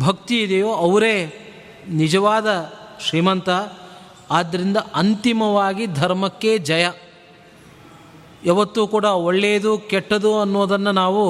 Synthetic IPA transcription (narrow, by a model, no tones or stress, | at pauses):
bʱɐkt̪iːd̪ejoːɐʋɐɾe̞ː | nid͡ʒɐʋaːd̪ɐʃɾiːmɐnt̪ɐ | aːd̪ːɐɾind̪ɐʔɐnt̪imɐʋaːɡid̪ʱɐɾmɐkːe̞d͡ʒɐjɐ | ɛʋɐt̪ːuːkuːɽɐoɭːeːɐd̪ukɛʈːɐd̪uɐnːoːd̪ɐnːɐnaːʋu